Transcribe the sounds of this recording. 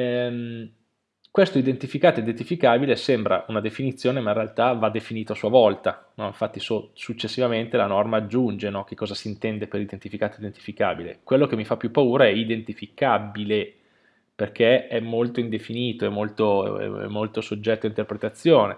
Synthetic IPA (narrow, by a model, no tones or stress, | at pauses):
ɛm | kwest̪oid̪ent̪ifikaːt̪oid̪ent̪ifikaːbilesɛmbɾa̰ʔunad̪efinit̪sːjoːnemaĩnrealt̪avad̪ːefiniːt̪oasuavɔlt̪anɔiɱfat̪ːisosut͡ʃːesːivament̪elanɔrmaːd͡ʒːund͡ʒenɔk̟ekːɔːzasiːnt̪ɛnd̪eperlid̪ent̪ifikaːt̪oid̪ent̪i̥fika̰ːbilḛkwelːok̟emːifapːjupːauːɾaɛid̪ent̪ifikabile | perkeɛmːolt̪oind̪efiniːt̪oɛmːolt̪o̰ɛ̰ɛ̰mːolt̪osod͡ʒːɛt̪ːoaint̪erpɾet̪at̪sːjoːne